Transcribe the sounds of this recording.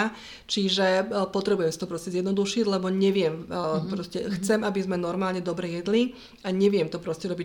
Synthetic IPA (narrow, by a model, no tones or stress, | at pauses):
t͡ʃiʒɛpɔt̪ɾɛbujɛmsit̪ɔpɾɔscɛzjɛd̪nɔd̪uʃiɟlɛbɔɲɛʋɪɛmpɾɔscɛxt͡sɛmabizmɛnɔɾmaːlɲɛd̪ɔbɾɛjɛd̪li | aɲɛʋɪɛmt̪ɔpɾɔscɛɾɔbi